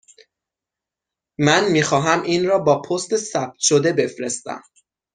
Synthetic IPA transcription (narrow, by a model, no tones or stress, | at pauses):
mænmiːxɒːɦæmiːnrɒːbɒːpʰost̪esæb̚t̪ʃod̪e̞be̞fɾest̪æ̰m